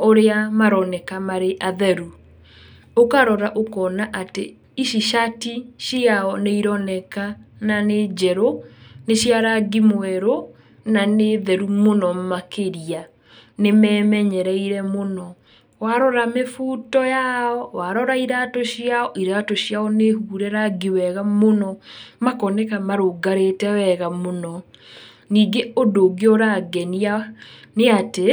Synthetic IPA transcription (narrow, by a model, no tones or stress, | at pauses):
oɾeamaɾɔnɛkamaɾeʔaðɛɾu | okaɾɔɾaʔokɔnaʔate | iʃiʃatiʃiaɔneiɾɔnɛkananed͡ʒɛɾoneɕjaɾaɡimowɛɾo | naneðɛɾumonɔmakeɾia | nemɛːmɛɲɛɾɛiɾɛmonɔ | waɾɔɾamefuːtɔjaɔwaɾɔɾaiɾaːtɔɕjaɔʔiɾatɔɕjaɔnehuːɾɛɾaɡiwɛɣamonɔmakɔnɛkamaɾoɡaɾetɛwɛɣamonɔ | niːɡeodoɡeɔɾaɡɛnianeate